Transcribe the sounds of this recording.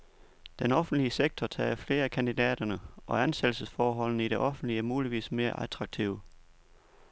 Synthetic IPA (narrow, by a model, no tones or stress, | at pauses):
d̥enɒ̽fn̩̥liəseɡ̥̚t͡sʰɒt͡sʰɛ̰ːfle̝ːɐækʰænd̥id̥ɛ̰ːd̥ɐnəʔɒ̽ænsed̥l̩səsfɒːɦɒ̽l̰nəiɾe̝ʔɒ̽fn̩d̥limuːliʋḭːsme̝ːɐʔæt͡sʰʁɑ̈ɡ̥̚t͡sʰiʊ̰